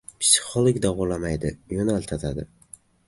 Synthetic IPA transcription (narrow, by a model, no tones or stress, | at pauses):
pʰsɪ̥χolˠokʲd̪aʁʊlamajd̪ɪjonalt̪ʰat̪ʰad̪ɪ